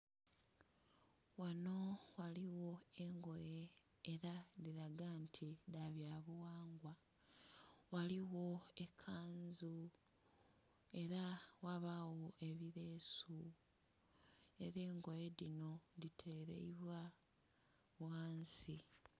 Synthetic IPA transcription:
wano̞waliwo̞eŋɡo̞jeː | ɾaðiɾaɡantʰiɾaβjaβuwaːŋɡwa | waliwo̞ekʰːaːnzu | e̞ɾawaβawo̞ʔe̞βiɾe̞su | e̞̰ɾe̞ːŋɡo̞je̞ðino̞ðitʰe̞ːɾḛiβwa | βwaːnsi

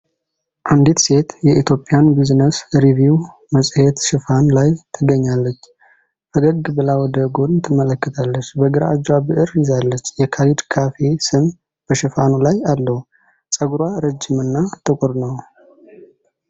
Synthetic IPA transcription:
ʔand̪it̪se̞t̪jɛʔit̪ʰjo̞pʼɪjanbiznəsɾivjuw | məsʼhet̪ʃɪfanlajt̪ʰɨɡəɲːalːət͡ʃː | ʔəɡəɡɨbɨlawɔd̪əɡo̞d̪t̪ʰɨmələkːət̪ʰalːət͡ʃːbəɡɨɾa̰ːd͡ʒabɨʔɨɾjɪzalːət͡ʃːjɛkʰalid̪kʰafe̞sɨm | b̥əʃɪfanulajalːəhu | sʼəɡɾwaɾəd͡ʒːɪmɨnːat̪ʼɨkʷʼuɾnəw

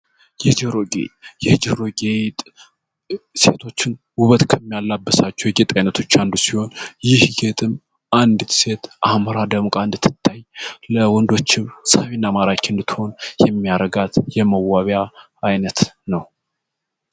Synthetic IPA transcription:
jɛhd͡ʒihɾo̞ɡḛjɛhd͡ʒɪhɾo̞ɡet̪ʼ | se̞̰t̪ʰo̞t͡ʃːɪn | uβət̪kʰəmːijalːabːəsat͡ʃːɛwjɛɡet̪ʼajnət̪ʰo̞t͡ʃːand̪usiho̞njɪhɡet̪ʼɨm | ʔand̪ɨ̥se̞t̪ʔahməɾad̪əmukʼaɨnd̪ɨt̪ʰːɨ̥t̪ʰːajləwɔnd̪o̞t͡ʃːɪmsaβinːamaɾakɨnd̪ɨt̪ʰːho̞njɛmːiaɾəɡat̪jɛməwːaβaː | jnət̪nəw

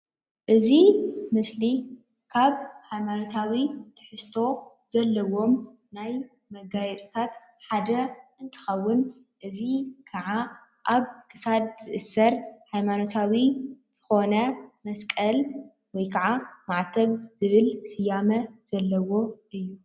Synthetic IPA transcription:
ʔɨzimɨsli | kʰaβhajmano̞t̪ʰawit̪ʰɨ̥ħɨst̪ʰo̞ | z̥ɐlːɐwo̞m | naj | mɐɡajɛt͡sʼt̪ʰat̪ | ħad̪ɐɨnt̪ʰɨ̥xɐwːʊn | ʔɨzikʰɐʕa | ʔaβkʰɨ̥sad̪̚z̥ɨʔɨsːɐɾhajmano̞t̪ʰawiz̥ɨ̥xo̞nɐmɐskʼɐl | wɔjkʰaʕamaʕt̪ʰɐβz̥ɨβɨlsɨjamɐz̥ɐlːɐwo̞ʔɨjːu

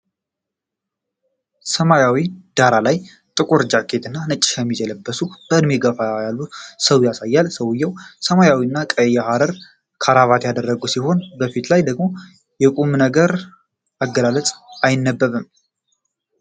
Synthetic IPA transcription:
səmajawid̪̥aɾalaj | t̪ʼɨkʼuɾd͡ʒakʰːe̞t̪ɨnːanɨt͡ʃʼːɪ̥kʰəmːid͡ʒɛləbːəsub̥əɨd̪meɡəfajalːusəwjasajːalsəwɨjːɛwsəmajawinːakʼəjːahaɾəɾ | kʰaɾaβat̪jad̪ərːəɡusiɦo̞nbəfit̪lajd̪əɡmo̞ | jɛkʼumnəɡəɾ | aɡːəlalət͡sʼajɪnːəbːəβɨm

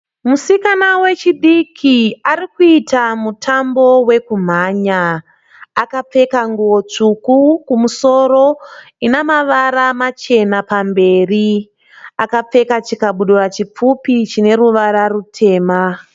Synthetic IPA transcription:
musikanawe̞t͡ʃiɗikʰiaɾikuitamutʰambo̞we̞kum̤aːɲaː | kap͡fe̞kaŋɡuwo̞t͡ʂukukumuso̞ro̞ | inamaʋaɾamat͡ʃe̞napambe̞ːri | akap͡fe̞kat͡ʃikaɓuɗurat͡ʃip͡fupit͡ʃine̞ɾuʋaɾarutʰe̞ːma

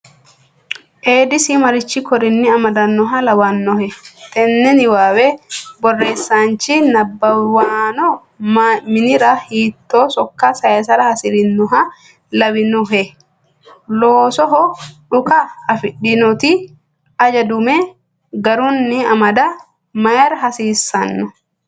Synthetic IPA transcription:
ʔeːd̪ɪsɪmɐɾɪt͡ʃːɪkɔɾɪnːɪɐmɐd̪ɐnːɔɦɐlɐwanːɔhɛt̪ɛnːɛnɪwaːwɛbɔrːeːsːaːnt͡ʃɪnɐbːɐwaːnɔ | mɪnɪɾɐhiːt̪ːoːsɔkːasɐjɐsɐɾɐhɐsɪɾɪnːʊɦɐ | lɐwɪnɔɦɛ | loːsɔɦɔᶑʊkɐːfɪᶑːɪnɔt̪ɪ | ɐd͡ʒɐd̪ʊmɛ | ɡɐɾʊnːɪɐmɐd̪ɐ | mɐjɐɾɦɐsiːsːɐnːɔ

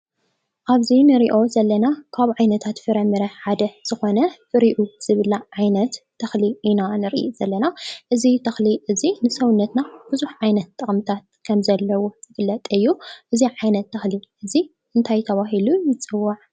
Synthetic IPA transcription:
ʔaβzinɨɾḭʔo̞zɐlːɐnakʰaβuʕajnɐt̪ʰat̪fɨɾɐmːɨɾɐħad̪ɐz̥ɨxo̞nɐfɨɾiʔuz̥ɨβɨlːaʕajnɐt̪ʰːɐxliʔinanɨɾʔḭʔzɐlːɐnaʔɨzit̪ʰɐxliʔɨzinɨsɐwunːɐt̪nab̥ɨzuħʕajnɐt̪ʼːɐχʼmɨt̪ʰat̪̚kʰɐmzɐlːɐwuzɨfɨlːɐt̪ʼɨjːuʔɨziʕajnɐt̪ʰːɐxliʔɨzi | ʔɨnt̪ʰajt̪ʰɐβaɦilujɨt͡sʼɨwːaʕ

